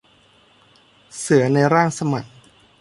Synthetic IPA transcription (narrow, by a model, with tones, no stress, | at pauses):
sɯ˩˦ɐna˧jɾaː˥˩ŋsa˧ma˨˩k̚